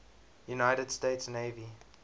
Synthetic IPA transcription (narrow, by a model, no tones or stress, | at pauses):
junaɪtədsteɪtsneɪvi